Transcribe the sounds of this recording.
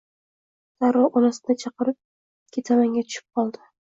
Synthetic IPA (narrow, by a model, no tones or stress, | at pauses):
d̪̥aɾɒʔonasɪd̪at͡ʃʰɑqɨɾɪp̚ | kʲʰet̪ʰamaŋɡʲat̪ʰʊ̥ʃɪ̥p̚qʰɒlˠd̪ɪ̥